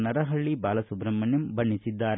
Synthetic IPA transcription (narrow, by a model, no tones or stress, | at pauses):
nɐɾɐɦɐɭːibaːlɐsubɾɐmːɐnjumbɐɳːisid̪ːaːɾ